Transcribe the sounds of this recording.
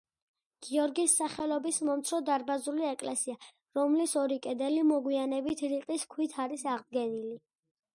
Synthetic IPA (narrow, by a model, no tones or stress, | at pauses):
ɡ̥iɔɾɡisːaχɛlɔbismɔmt̪sʰɾɔd̪aɾbazuliɛkʼlɛsia | ɾɔmlisɔɾikʼɛd̪ɛlimɔɡwianɛbit̪ʰɾiqʼiskʰwit̪ʰaɾisaʁd̪̚ɡɛnili